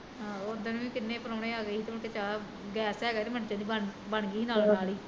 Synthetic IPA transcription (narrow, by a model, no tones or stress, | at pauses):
ɦãːod̪ənũːĩːkɪnːẽːpəɾoːɽẽːaːɡəiːt̪emə̃ɳkeːt͡ʃaːla | ɡɛːsɦɛːɡɛːt̪eːməʈd͡ʒãːd̪iːbəɳbəɳɡiːinaːlnaːliː